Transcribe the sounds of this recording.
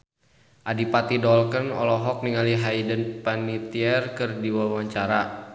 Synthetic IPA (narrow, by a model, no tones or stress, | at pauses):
ʔadipat̪idɔlkənɔ̰lɔɦɔk̚niŋaliɦaidənpanit̪iɛrkɨrdiwawaɲt͡ʃaɾa